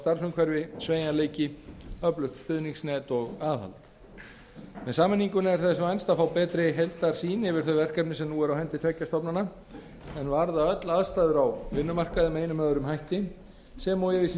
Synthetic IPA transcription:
st̪aɾ̥sʏmkʰvɛɾvɪsveːjnaleːjcɪœplʏht̪sp̪ʏðniŋksnɛːt̪ɔɣaːðha̰lt̪ | mɛðsaːmɪnːiŋkʏnɛɾ̥θɛsʏajnst̪aðfaːwpɛːt̪ɾɪɦejlt̪aɾ̥siːnɛvɪɾ̥θœɥvɛr̥kɛpnɪsɛmnuɛɾawhɛnt̪ɪt̪ʰɛːcːast̪ɔpnana | ɛnvaɾðaœt̪laðst̪aːðʏɾawvɪnːʏmar̥kaðɪmeːjnʏmœːðʏɾʏmɦajht̪ɪ | sɛmawjɛɾɪs

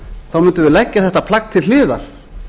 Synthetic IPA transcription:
θawmʏnt̪ʏvɪlɛcːaθɛht̪apʰlakt̪ʰɪlɪːða̰ɾ̥

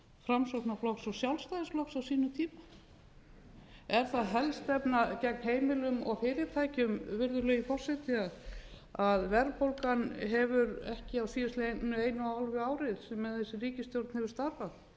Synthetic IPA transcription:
fɾamsɔtnaflɔksɔɣsjawlst̪ajðɪsplɔksawsiːnʏt̪ʰiːma | ɛɾ̥θaðɦɛlst̪ɛpnacɛk̚nɦeːjmɪlʏmɔ̰ɣfɪːɾɪt̪ʰajcʏmvɪɾðʏɾlœːjifɔr̥sɛt̪ɪað | aðvɛɾpowlkanɦɛvʏɾɛhcɪawsiːðʏst̪lenʏeːjnʏaalvʏaːwɾɪðsɛmːɛðθɛsːɪriːcɪst̪jowɾt̪nhɛvʏɾ̥st̪aɾvaθ

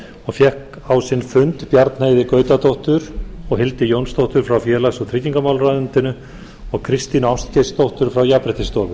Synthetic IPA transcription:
ɔɣfjɛhk | awsɪnfʏnt̪pjaɾt̪nhajðɪkœːɥt̪at̪owht̪ʏɾɔɣɦɪlt̪ɪjownst̪owht̪ʏɾ̥fɾawfjɛːlasɔɣt̪ʰɾɪciŋkamaːwlraðʏnt̪ɪnʏ | ɔɣkʰɾɪst̪inawst̪cest̪owht̪ʏɾ̥fɾawjapɾɛht̪ɪst̪ɔːvʏ

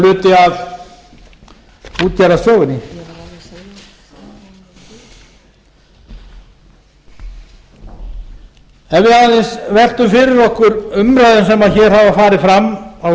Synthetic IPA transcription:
lʏːt̪ɪað | uːt̪cɛɾast̪jɔːwɪnɪ | ɛvɪhalɪnsvɛr̥t̪ʏmfɪɾɪɾɔhkʏɾʏmɾaðɪnsɛmaðçɛːɾ̥havafaːɾɪfɾamːa

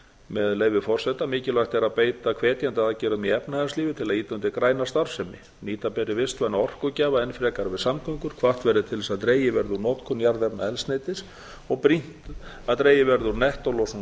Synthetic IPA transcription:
mɛðleːjvɪfɔr̥sɛt̪amɪːcɪlajxt̪ɛɾaðpeːjt̪akʰvɛːt̪jant̪aðacɛːɾʏðmiɛpnaɛnstliːvɪt̪ʰɪlaðiːt̪ant̪ɪkɾaːjnast̪aɾ̥sɛmɪ̰ | niːt̪apɛɾːɪvɪst̪vɛnːaɔr̥kʏcaːvaɛnfɾɛːkaɾvɪðsamkʰœŋkʏɾ̥kʰvaht̪vɛɾðɪt̪ʰɪlvɛsaðt̪ɾeːjɪvɛɾðunɔt̪kʰʏnːjaɾðɛpnaɛlst̪nejt̪ɪs | ɔɣpɾin̥t̪ | aðt̪ɾeːjɪvɛɾðʏɾnɛht̪ɔlɔs

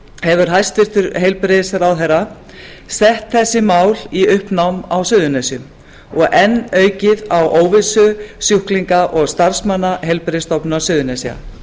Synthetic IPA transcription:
hɛvʏɾ̥ɦajst̪vɪr̥t̪ʏɾɦejlpɾɪðɪsaɾawðɛɾa | sɛht̪θɛsːɪmaːwliʏhpnawmawsʏːðʏnesjʏm | ɔɣʔɛnːœːɥcɪðawʔoːwvɪsʏsjuhkliŋkaʔɔɣst̪aɾ̥smanːaɦejlpɾɪðɪst̪ɔwpnasʏːðʏnesia̰

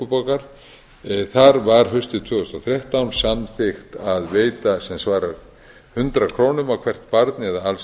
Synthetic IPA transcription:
ʏpakaɾ̥ | θaɾvaɾ̥ɦʏɥst̪ɪt̪ʰvʏːʏst̪ɔθɾjɛht̪awnsamθɪxt̪aðveːjt̪asɛmsvaːɾaɾ | hʏnt̪ɾakʰɾoːwnʏmawkʰvɛr̥t̪paɾt̪nɪɛðaal

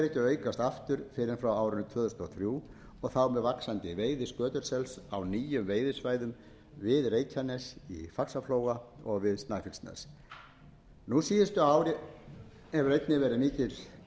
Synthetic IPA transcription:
ɾɛhcɪœːɥkast̪aft̪ʏɾ̥fɪɾɪnfɾawaːwɾʏnʏt̪ʰvœːðʏst̪ɔθɾjuː | ɔɣθawmɛðvaksant̪ɪveːjðɪskœːt̪ʏɾ̥sɛlsawniːjʏmveːjðɪsvaːjðʏm | vɪðreːjcʰanɛsḭfaksafloːwɣaɔɣvɪðst̪naːjfɪlst̪nɛ̰s | nusiːjɪst̪ʏaːwɾɪ | ɛvɾejt̪nɪvɛːɾɪmiːcɪɾ̥

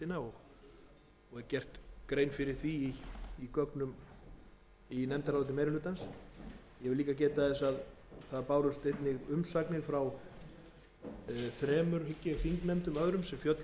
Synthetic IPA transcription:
t̪ɪnaɔɣ | ɔɣɛɾcɛr̥t̪kɾejnfɪɾɪɾ̥θiiːkœknʏm | inɛmt̪aɾalt̪ɪmejɾɪlʏːt̪ans | jɛvɪliːkacɛːt̪aðɛsað | θaðpaːwɾʏst̪ejt̪nɪɣʏmsaknɪ̥fɾaw | fɾɛːmʏɾ̥hʏcːɪfiŋknɛmt̪ʏmœðɾʏmsɛmfjœt̪l

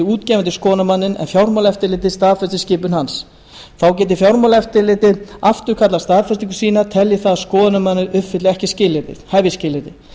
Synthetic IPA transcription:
uːt̪cɛːvant̪̬ɪ̥skɔːnamanːɪnɛ̰nfjawɾmawlɛft̪ɪɾlɪːt̪ɪst̪aːðfɛst̪ɪscɪːpʏnhans | θawcɛːt̪̬ɪfjawɾmawlɛft̪ɪlɪːt̪ɪðaft̪ʏɾ̥kʰat̪last̪aːðfɛst̪iŋkʏ̥siːnat̪ʰɛljɪθaðskɔːðnamanːɪɾʏfɪt̪lɪɣɛhcɪscɪːlːɪːt̪ɪ̰ð̥hajvjɪscɪːlɪːt̪ɪ

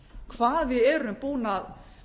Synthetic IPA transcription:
kʰvaːðvɪðɛːɾʏmpuːnað

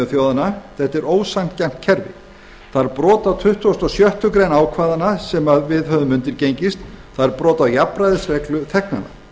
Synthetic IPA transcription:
ʏθjowðanaθɛht̪ːɛɾoːwsam̥t̪cam̥t̪cʰɛɾvɪ̰ | θaɾpɾɔːt̪awt̪ʰʏht̪uast̪ɔsjœht̪ʏkɾejnaːwkʰvaːðanasɛmaðvɪðɦœðʏmʏnt̪ɪɾcejɲcɪst̪ | θaðɾpɾɔːt̪ajapɾajðɪsrɛklʏt̪ʰɛhkna̰nːa̰

